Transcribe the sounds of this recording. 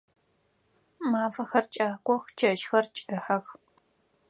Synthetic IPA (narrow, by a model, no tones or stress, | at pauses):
maːfɐxɐrt͡ʃʼaːkʷɔxt͡ʃʰɐʃxɐrt͡ʃʼɨħɐx